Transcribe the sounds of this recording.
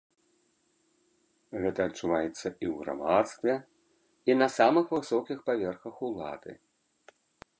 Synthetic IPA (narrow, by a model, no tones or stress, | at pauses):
ɣɛt̪ɐːt͡ʂːuvajɛt̪sːɐʔiwɣɾa̰mat̪st̪vʲɛ | inɐsamɨxvɨsɔkʲixpavʲɛrxɐxulˠa̰d̪̥ɨ̰